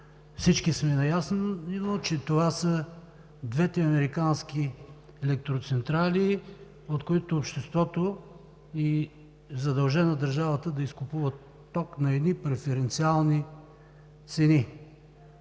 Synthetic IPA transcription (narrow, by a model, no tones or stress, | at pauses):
fsit͡ʃkismɛnɐjasnnot͡ʃɛt̪ovasə | d̪vɛt̪ɛɐmɛɾikanski | ɛlɛk̚t̪ɾot̪sɛnt̪ɾali | ot̪koit̪oːpʃt̪ɛst̪vɔt̪o | i | zɐd̪ɐlˠʒɛnɐd̪ɐɾʒavət̪əd̪ɐiskʊpuvət̪ːɔknɐɛd̪nipɾɛfɛɾɛnt̪sialˠni | t̪sɛni